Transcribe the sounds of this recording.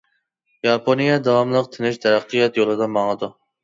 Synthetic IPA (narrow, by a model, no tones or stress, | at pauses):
jɑpʰonijɛd̪ɑwɑmlˠəq̚t̪ʰɪnɪʃt̪ʰɛɾæqːijɑt̪jolˠɨd̪ɑmɑŋɨd̪u